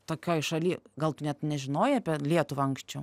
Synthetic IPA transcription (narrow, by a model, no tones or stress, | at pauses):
t̪oːkʲoːjɪʃɐlʲiːɡɐlˠt̪ʊnʲɛt̪nʲɛʒʲɪnoːjɪɐpʲɛlʲiɛt̪ʊʋʲɐŋksʲt͡ʃʲɛʊ